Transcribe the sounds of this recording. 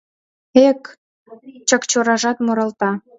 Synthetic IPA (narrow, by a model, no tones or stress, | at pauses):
ek | t͡ɕəkt͡ɕoɾɑʒɑt̪moɾə̆lt̪ɑ